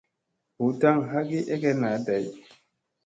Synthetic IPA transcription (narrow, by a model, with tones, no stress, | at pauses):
hu˨ta˦˨ŋɦa˦ɡi˦ʔɛ˦ɡɛ˦na˨˦da˨˦j